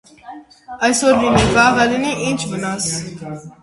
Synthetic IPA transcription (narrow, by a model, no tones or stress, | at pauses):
ɑjsɔɾlinivɑːʁɛliniʔint͡ʃʰmənas